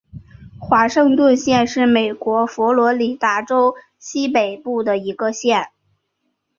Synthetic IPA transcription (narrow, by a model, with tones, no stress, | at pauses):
xwa˧˥ʂɤ˥˧ŋt̪wə˥˧nɕjɛ˥˧nʂɻ̩˥˩me˨˩ɪkwɔ˧˥fɔ˧˥lwɔ˧˥li˨˩t̪a˥˩ʈ͡ʂo˥ʊ | ɕi˥pe˨˩ɪpu˥˩d̪ə˩i˧˥ɡə˧ɕjɛ˥˩n